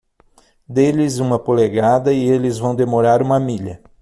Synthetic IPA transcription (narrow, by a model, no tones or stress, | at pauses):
d̪elɪzũmɐpoleɡad̪ɐɪelɪzvɐ̃w̃d̪emoɾaɾũmɐmiʎɐ̰